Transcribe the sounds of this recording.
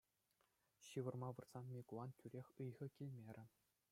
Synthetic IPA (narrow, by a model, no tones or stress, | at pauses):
ɕɯʋɤ̆rmɑʋɯ̆rz̥ɑnmʲikulˠɑntʲʰyɾʲexʲɯjʁɤ̆kʲilʲmʲeɾʲɘ̆